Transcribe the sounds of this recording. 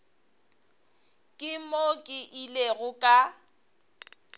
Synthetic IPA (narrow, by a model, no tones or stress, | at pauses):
kʼɪmokʼɪʔileɣʊkʼa